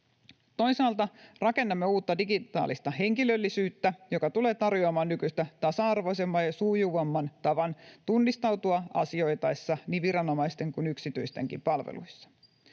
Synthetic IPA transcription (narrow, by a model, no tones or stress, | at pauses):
t̪o̞jsɑːlt̪ɑrɑke̞nːɑmːeuːt̪ːɑdiɡit̪ɑ̰ːlist̪ɑɦe̞ŋkilø̞lːisyːt̪ːæjo̞kɑt̪ule̞ːt̪ɑrjoɑmɑːnːykyjst̪æt̪ɑsɑɑrʋo̞ise̞mːɑjjɑsuːjuʋɑmːɑnt̪ɑʋɑnt̪unːist̪ɑwt̪uɑɑsio̞jt̪ɑjsːɑniːʋʋiɾɑno̞mɑjst̪e̞ŋkunyksit̪yjst̪e̞̰ŋkḭmpɑlʋḛlṵjsːɑ̥